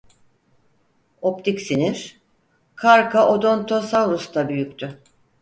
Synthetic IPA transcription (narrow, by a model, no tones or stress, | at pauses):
o̞pt̪ʰicsiniɾ̥ | kʰaɾkʰaʔo̞d̪o̞nt̪ʰo̞savɾust̪ʰabyjykʲt̪ʰy